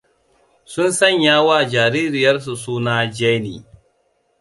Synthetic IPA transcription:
sʊ˦nsɐ˦˨ɲjaː˦waː˦˨d͡ʒaː˨ɾiː˦ɾɪ˨jɐ˦rs̬u˨suː˦naː˦d͡ʒɛ˦nḭː˨

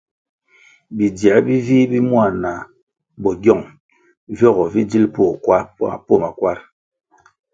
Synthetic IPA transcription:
bi˨djɛ˨˦bi˦vi˦bi˦mwa˦˨na˨ | bɔ˨ɡjɔ˦˨ŋ | vɔ˦˨ɣɔ˨vi˦d͡ʒi˦lpo˦˨kwa˦a˨po˦˨ma˨kwa˦ɾ

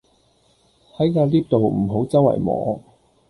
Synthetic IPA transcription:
hɐ˨˥jkaː˧liː˥p̚t̪o˨wm̩˨˩ɦo˨˥wt͡sɐ˥wɐ̰˨˩jmɔ̰ː˨˥

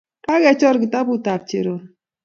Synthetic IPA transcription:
ka˦kɛ˨˦t͡ʃɔ˦ɾɡi˨ta˦bu˦ta˨p̚t͡ʃḛ˨ɾo˨n

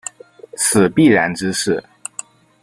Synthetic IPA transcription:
t͡s̩ʰ˨˩pi˥˩ɻa˧˥nʈ͡ʂɻ̩˥ʂɻ̩˥˩

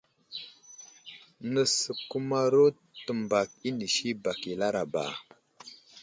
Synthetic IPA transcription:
nə˨sə˨ku˦ma˦ɾo˦ | tə˨mba˨k̚i˦ni˨ʃi˦ba˨ki˨la˦ɾa˨ba̰˨

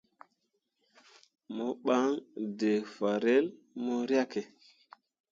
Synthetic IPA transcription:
mo˦ɓa˦ŋde˨fa˨ɾe˦l | mo˦ɾja˦ke˨

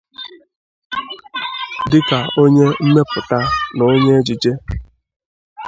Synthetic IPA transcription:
dɪ˦ka˨o˦ɲe˦m̩˦me˦pʊ˨ta˦no˨o˦ɲe˦d͡ʒi˨d͡ʒe˦

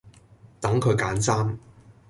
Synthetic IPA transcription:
t̪ɐ˨˥ŋkʰɵ˨˧ɥkaː˨˥nsaː˥m

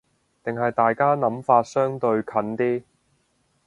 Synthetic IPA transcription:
t̪ɪ˨ŋɦɐ˨jt̪aː˨jkaː˥nɐ˨˥mfaː˧t̚sœː˥ŋt̪ɵ˧ɥkʰɐ˨˧nt̪iː˥

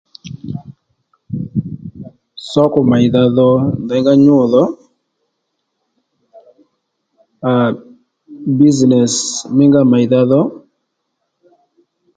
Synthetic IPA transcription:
sɔ˦kɔ˨ma˨i˨d̪a˦ðɔ˦d̪a˨˦ŋɡa˦ɲo˦˨ðɔ˦ | a˨ | bi˦znɛ˨smɪ˦ŋɡa˦ma˨i˨d̪a˦ðɔ˦

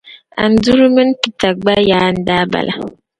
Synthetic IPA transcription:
a̰˨n̩˨˦du˦ɾu˦mɨ˦n˦pi˨ta˨k̚ɡ͡ba˦ja˨˦˨n̩˦da˦ba̰˨lʔa̰˨

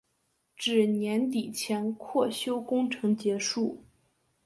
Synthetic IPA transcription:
ʈ͡ʂɻ̩˥˩njɛ˧˥nt̪i˨˩t͡ɕʰjɛ˧˥nkʰwɔ˥˩ɕjo˥ʊkʊ˥ŋʈ͡ʂʰɤ˧˥ŋt͡ɕjɛ˧˥ʂu˥˩

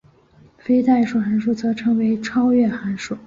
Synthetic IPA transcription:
fe˥ɪt̪a˥˩ɪʂu˨˩xa˧˥nʂ̬u˥˩t͡sɤ˧˥ʈ͡ʂʰɤ˧˥ŋwe˧˥ɪʈ͡ʂʰɑ˥ʊɥɛ˥˩xa˧˥nʂu˥˩˦

